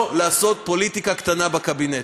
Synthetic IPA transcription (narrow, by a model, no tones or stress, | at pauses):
laːso̞t̪̚po̞lit̪ikakt̪anabakabine